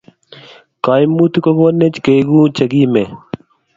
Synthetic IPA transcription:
kaːjmːuːt̪ukoɡoːnːet͡ɕkeːɡũːt͡ɕəɡiːmeː

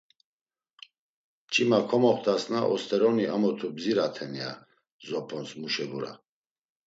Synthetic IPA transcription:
t͡ʃʼimakʰɔmɔχt̪ʰʼasnaʔɔst̪ʰʼɛɾɔniamɔt̪ʰubziɾat̪ʰɛnia̰ | zɔpʰɔnsmuʃɛbuɾa̰

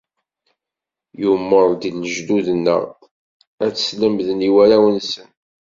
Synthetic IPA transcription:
jumːəɾˤd̪iləʒd̪uðənːə̰ʁ | æt͡sːə̥sləmðniwælæwənsən

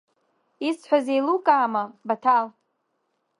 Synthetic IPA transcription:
isħʷaze̞jlukʼaːmabatʰal

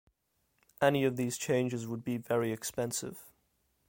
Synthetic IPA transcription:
ʔɛniəvðiːz̥t͡ʃʰẽɪ̃nd͡ʒɪzwəd̚bivɛɹiɪkspɛ̃nsɪ̰v̥

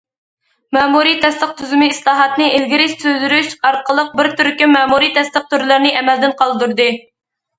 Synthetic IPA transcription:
mɛːmuɾijt̪ʰɛst̪əq̚t̪ʰyzymɪislˠɑːɦɑt̪nɨʔelɡʲɪɾɪst̪øzyɾyʃɑɾqʰəlˠəq̚bɪɾt̪ʰyɾkʲimɛːmuɾit̪ʰɛst̪əq̚t̪yɾlɪɾnɪʔɛmɛld̪ɪnqʰɑlˠd̪uɾd̪ɨ

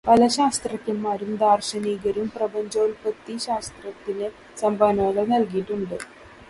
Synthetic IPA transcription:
pɐlɐɕaːst̪rɐkʲːɐmːaːɾumd̪aːrɕɐniːɡɐɾumprɐbɐɲd͡ʑoːlpɐt̪ːiɕaːst̪rɐt̪ːinɨ | sɐmbʱaːnɐɐlɐnɐlkijiʈːuɳɖɨ

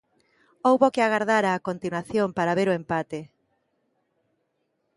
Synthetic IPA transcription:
owβokɪaɣaɾðaɾaːkont̪inwaθjompaɾaβeɾoempat̪e

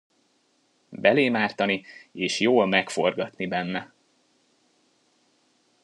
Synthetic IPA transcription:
bɛleːmaːrt̪ɒnieːʃjoːlmɛkfo̞rɡɒt̪nibɛnːɛ

